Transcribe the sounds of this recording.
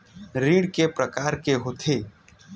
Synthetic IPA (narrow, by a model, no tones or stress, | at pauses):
ɾiːɽkepɾəkaːɾkeɦoːt̪ʰeː